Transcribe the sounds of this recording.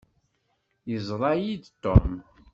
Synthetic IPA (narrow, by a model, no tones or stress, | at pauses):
jəzˤɾˤɑjid̪t̪ːom